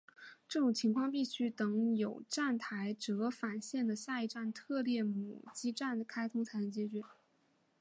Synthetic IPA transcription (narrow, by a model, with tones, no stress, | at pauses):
ʈ͡ʂɤ˥˩ʈ͡ʂʊ˨˩ŋt͡ɕʰi˧˥ŋkʰwɑ˥˧ŋpi˥˩ɕy˥t̪ɤ˧˥ŋjo˨˩ʊʈ͡ʂa˥˩nt̪ʰa˧˥ɪʈ͡ʂɤ˧˥fa˨˩nɕjɛ˥˩nd̪ə˩ɕja˥˧i˥˧ʈ͡ʂa˥˧nt̪ʰɤ˥˧ljɛ˥˩mu˨˩t͡ɕi˥ʈ͡ʂa˥˩nkʰa˥ɪt̪ʰʊ˥ŋt͡sʰa˧˥ɪə˧t͡ɕjɛ˧˥t͡ɕɥɛ˧˥˦